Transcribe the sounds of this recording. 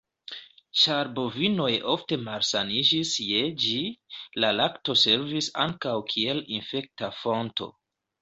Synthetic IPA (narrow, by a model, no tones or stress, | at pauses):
ʃaɾbo̞vino̞jo̞fte̞malsanid͡ʒisje̞d͡ʒilalakto̞se̞ɾvisaŋkawkʰie̞linfe̞k̚tafo̞nto̞̰